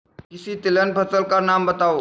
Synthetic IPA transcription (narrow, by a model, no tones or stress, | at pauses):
kisit̪ilənpʰət͡səlkaɾnambət̪aʋo